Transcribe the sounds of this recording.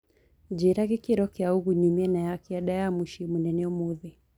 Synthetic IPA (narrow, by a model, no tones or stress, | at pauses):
d͡ʒiɾaɣikiɾɔkiauɣuɲimiɛnajakiaɗajamuʃimunɛnɛɔmuði